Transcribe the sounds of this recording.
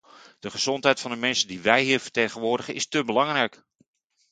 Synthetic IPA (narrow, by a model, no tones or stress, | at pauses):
d̥əχəz̥ɔntɦɛjtfɑndəmɛnsədiʋɛjɦiːɹvə̥tejχənʋʊːɹdəχənɪstəbəlɑŋrɛjk